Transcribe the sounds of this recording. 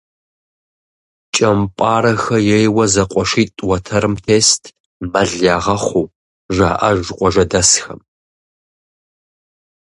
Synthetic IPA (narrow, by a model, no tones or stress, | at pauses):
t͡ʃʼɐmpʷʼɑːɾɐxɐjɛjwɐzɐqʷʼɔʂiːtʼwɐtʰɐɾɨmtʰeːstʰ | mɐɮaːʁɐχʷuː | ʒaːʔɐʒqʷʼɔʒɐdɐsxɐ̰m